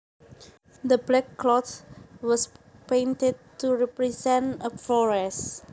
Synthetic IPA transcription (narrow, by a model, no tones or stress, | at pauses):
d̪əblɛkːlɔtwɔspẽntɛd̚tuɹɛpɹisɛ̃ntəfɔɹɛs